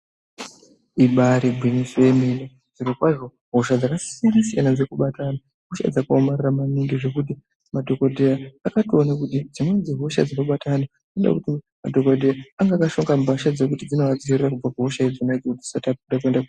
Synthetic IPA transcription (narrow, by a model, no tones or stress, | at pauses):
iɓaɾibʱwinisoemene | d͡ziɾokwaʐo̞ | ɦoʃad͡zakasinasijanad͡ze̞kuɓatana | ɦoʃa̰d͡zakaomariramaniŋɡiʐe̞kut̬i | madʱo̞kodʱejaːkationakutid͡zinond͡ziɦoʃa̰d͡zino̞ɓatʰana | enda̰kuti | ma̰dʱo̞kodʱeaaŋɡakaʃoŋɡambaʃad͡zekutid͡zino̞ad͡ziirerakub͡vakaɦoʃaid͡zonaid͡zokudisatapuɗakue̞ndaku